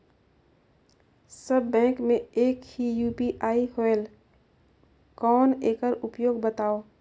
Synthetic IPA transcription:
səbːɛ̃ːkmẽeːkhijuːpiʔaːiɦoel | kɔːneːkəɾʊpjoːɡbət̪aːoː

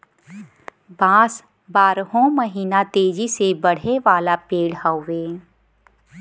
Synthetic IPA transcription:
bãːs | baːɾɦõməɦiːnat̪eːd͡ʒisebɐɽ̤eʋaːlapeːɽɦaʊʋeː

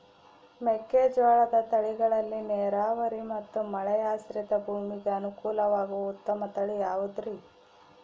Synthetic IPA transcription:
mɛkːeːd͡ʒʋaːɭɐd̪ɐt̪ɐɭiɡɐɭɐlːineːɾaːʋɐɾimɐt̪ːumɐɭɛjaːsɾit̪ɐbʱuːmiɡeɐnukuːlɐʋaːɡuut̪ːɐmɐt̪ɐɭijaːʋud̪ɾi

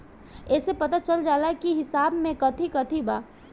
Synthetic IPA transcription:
ɛːsepɐt̪at͡ʃɐld͡ʒaːlakiɦɪsaːbmẽkɐt̪ʰikɐt̪ʰibaː

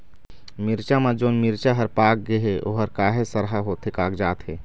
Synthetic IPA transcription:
mɪɾt͡ʃamãd͡ʒoːnmɪɾt͡ʃaɦɐɾpaːk̚ɡeɦeʔoːɦəɾkaːɦesəɾɦaɦoːt̪ʰekaːkd͡ʒaːt̪ɦeː

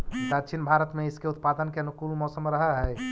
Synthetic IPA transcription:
d̪at͡ʃʰinbʱaɾət̪meiskeut̪̚pad̪ənkeənukulmɔsəmɾəɦəɦɛj

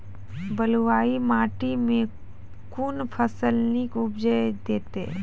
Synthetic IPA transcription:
bəlwaːimaːʈimẽ | kunpʰəsəlnikʊbd͡ʒəd̪eːt̪e

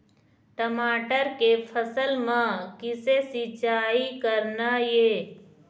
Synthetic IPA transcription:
ʈəmaːʈəɾkepʰəsəlmãkɪsesit͡ʃaːikəɾnajeː

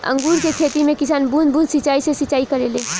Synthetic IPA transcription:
ə̰̃ŋɡuɾkekʰet̪imẽkisaːnbunbũnsit͡ʃaisesit͡ʃaikəɾelẽ

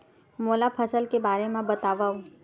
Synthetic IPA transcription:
moːlapʰəsəlkebaːɾemãbɐt̪aːʋau

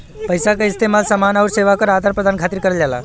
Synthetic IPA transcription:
pəjsakaist̪emalsəmanaʋəɾseʋakəɾad̪ʱaɾpɾəd̪ankʰat̪iːɾkəɾəld͡ʑala̰

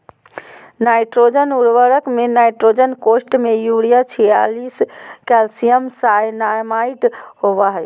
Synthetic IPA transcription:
najʈɾod͡ʒənuɽʋəɾəkmenajʈɾod͡ʒənkosʈmejuɽijat͡ʃʰɛja̰liskɛlsijəmsajnaɾmaiʈɦobaɦə

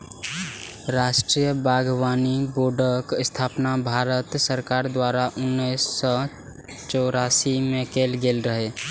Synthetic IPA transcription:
ɾaːʃʈɾijəbaːɡwaːniboɾɖəkst̪ʰaːpnabʱaːɾət̪səɾkaːɾd̪waːɾaʔʊnːisːɔ | t͡ʃɔːɾaːsimẽkelɡeːlɾəɦe

